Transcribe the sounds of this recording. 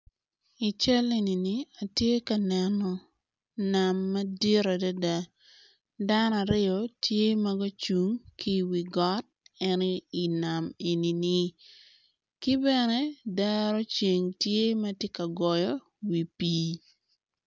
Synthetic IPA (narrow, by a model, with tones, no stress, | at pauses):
i˨t͡ʃɛ˦le˨ni˨ni˨a˨tje˦ka˨nɛ˨nɔ˨ | na˨mːɐ˦di˦ɾa˨da˦da˦ | da˦n˦a˨ɾɪ˦ɔ˨tje˦mɐ˦ɡo˦t͡ʃu˨ŋkʰi˦wi˨ɡɔ˦t̚ɛ˦ni˨na˨me˨ni˨nɪ˨ | ki˦bɛ˨ne˦dɛ˦ɾɔ˦t͡ʃe˨ŋtje˦mɐ˦tje˦ka˨ɡɔ˨jɔ˦ | wi˨piː˦